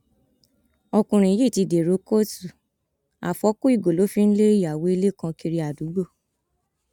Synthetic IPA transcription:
ɔ˧kũ˧˨ɾ̃ĩ˨ji˦˨ti˧de˨ɾo˨˦ko˦tu˨ | a̰˨fɔ˨˦ko˦i˦˨ɡo˨lo˨˦fĩ˦n̩˦le˦i˦ja˨wo˨˦i˧le˦˨kã˧ki˧ɾi˧a˨du˨˦ɡ͡bo˦˨

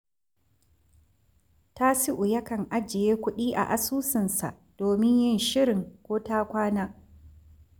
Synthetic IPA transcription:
ta˦si˦ʔʊ˨jɐ˦kɐ˨ŋʔa˦d͡ʒɪ˨jeː˦kʷʊ˦ɗiː˦ʔa̰˨ʔa˨suː˦sɪ˨nsa̰˨ʔd̥oː˨mɪ˦ɲjɪ˦nʃɪ˦ɾɪ˨ŋkʷoː˦taː˦kʷaː˦naː˦

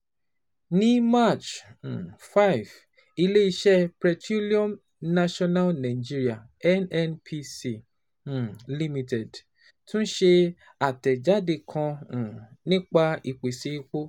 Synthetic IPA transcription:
nĩ˦ma˦˨t͡ʃ̩˨ | fa˦jv | i˧le˦i˧ʃɛ˦pɾɛ˧tu˦li˦ɔ̃˦m | na˧ʃɔ̃˧na˦lnã˨d͡ʒi˦˧ɾi˦a˨ | ɛ˦nɛ˦npʰi˧sĩ˨ | li˧mĩ˧tɛ˨d | tũ˦n̩˦ʃe˧ | a˨tɛ˨d͡ʒa˨˦de˧kʰã˧˨ | nĩ˦k͡pa˧i˨k͡pe˨se˨˦i˦ko˦

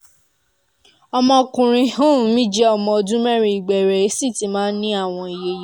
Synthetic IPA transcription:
ɔ˧mɔ̃˧kũ˨ɾ̃ĩ˧hũ˦˨˦mĩ˦d͡ʒɛ˦ɔ˦˨mɔ̃˧˨dũ˦mɛ˦ɾ̃ĩ˧˨i˨ɡ͡bɛ˨ɾɛ˨˦si˦˨ti˨˦mãː˦nĩ˦a˦˨w̃ɔ̃˧i˨je˧j

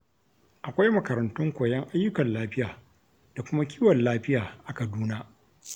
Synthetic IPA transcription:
ʔa˨kʷa˦jmɐ˨kɐ˨ɾɐ˨ntʊ˦ŋkʷoː˨jɛ˦ŋʔa˦jːʊ˦kɐ˨nlaː˦ɸɪ˦jaː˨ | d̥a˨kʷʊ˦ma˦kʲʰiː˦wɐ˨nlaː˦ɸɪ˦jaː˨ʔa˨kɐ˨duː˦naː˦ʔ

